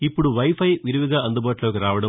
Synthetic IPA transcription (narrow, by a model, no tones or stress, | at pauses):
ipːuɽuʋɐjpʰɐjʋiɾuʋiɡaːɐnd̪ɐbaːʈloːkiɾaːʋɐɽɐ